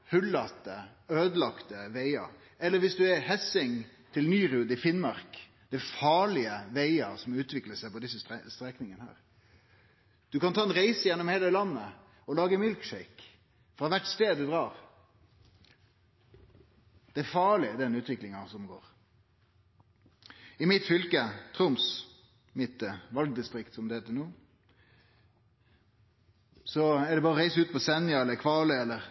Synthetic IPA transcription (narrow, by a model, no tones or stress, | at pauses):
hʉlːɑt̪ːə | øːd̪əlɑkt̪əʋæɪɑ̰ | ɛlːəɾʋɪsd̪ʉɛɾhɛsɪŋt̪ʰɪlnyːɾʉːd̪ɪfɪnmɑʁk | d̪̥æɪfɑːɭɪəʋæɪɑsɔmʉːt̪ʰʋɪkləsæɪpɔd̪ɪsːət̪ɛst̪ɾɛknɪŋənəhæ̰ːɾ | d̪̥ʉkɑnt̪ʰɑːɛnɾæɪsəjɛnːɔmheːləlɑnːə | ɔlɑːɡəmɪlkʃɛɪk | fɾɑʋæʈst̪eːd̪ʉd̪ɾɑːɾ | d̪̥ɛæfɑːɭɪd̪ɛnʉːt̪ʋɪklɪŋɑsɔmɡoːɾ | ɪmɪt̪fʏlkət̪ʰɾʊms | mɪt̪əʋɑlɡ̚d̪ɪst̪ɾɪkt̪sɔmd̪ɛheːt̪ːənuː | sɔæɖɛbɑːɾəɔɾæɪsəʉːt̪̚pʰɔsɛnjɑɛlːəkʰʋɑːləɛlːəɾ